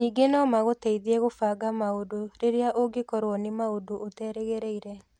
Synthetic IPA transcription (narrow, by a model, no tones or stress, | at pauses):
niːɡenɔmaɣoteiðiɛɣofaːɡamaodoɾeɾeaʔoɡekɔɾwɔnemaodootɛɾeɣeɾeiɾɛ